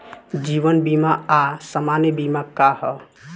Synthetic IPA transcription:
d͡ʒiːʋənbimaasəmanjəbimakahɔ

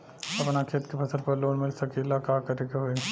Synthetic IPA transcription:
ɐpnakʰeːt̪kepʰɐsəɾpɐɾloːnmɪlsɐkelakaːkɐɾeɡeɦoe

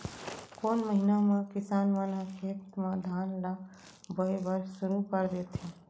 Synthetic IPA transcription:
koːnməɦinamẽkisanmənakʰet̪med̪ʱanla | bəebəɾsuɾupəɾd̪et̪ʰĩ

